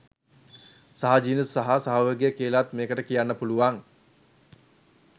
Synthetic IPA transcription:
saɦad͡ʒiːnəsːaɦasaɦoʋəɡejəkiəlat̪meːkəʈəkijanːəpuluʋaŋ

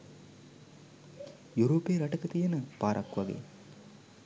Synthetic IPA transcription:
juɾoːpeːɾɐʈəkət̪ijenəpaːɾʔɐ̰kːʋaɡḛ

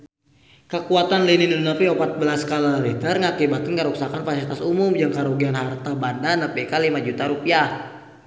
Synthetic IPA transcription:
kəkuat̪anlininuunəpiopat̪̚bəlaskaləɾit̪ərŋakibat̪ɪnkəɾuksakanfasilit̪asumʊmd͡ʒaŋkaɾoɡianɦart̪abandanəpikalimad͡ʒut̪aɾupiah

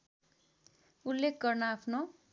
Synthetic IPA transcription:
ulːekʰɡʌrnʌapʰno

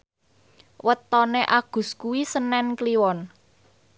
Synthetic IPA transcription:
wət̪ɔneʔaɡ̥ṳskuwisənɛnkliwɔn

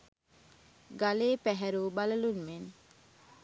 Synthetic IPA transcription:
ɡaleːpɛɦɛɾuːbaləlunmen

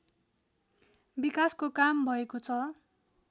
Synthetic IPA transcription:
bikaskokambʱʌekot͡sʰʌ

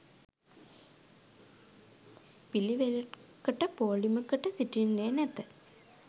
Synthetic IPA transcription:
piliʋelʈkəʈəpoːliməkəʈəsiʈinːeːnɛt̪ə

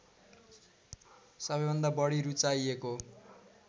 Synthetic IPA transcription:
sʌbʌjbʱʌnd̪abʌɽiɾut͡sajeko

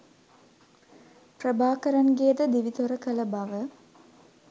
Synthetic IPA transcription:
prəbʱaːkəɾanɡejəd̪əd̪iʋit̪oɾəkələbaʋə

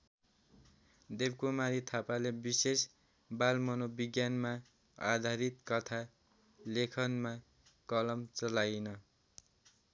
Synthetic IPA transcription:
d̪ebkumaɾit̪ʰapalebises | balmʌnobiɡjanma | a̰d̪ʱaɾit̪kʌt̪ʰa | lekʰʌnma | kʌlʌmt͡sʌlajnʌ

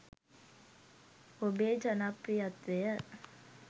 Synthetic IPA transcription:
obeːd͡ʒɐnaprijat̪ʋejə

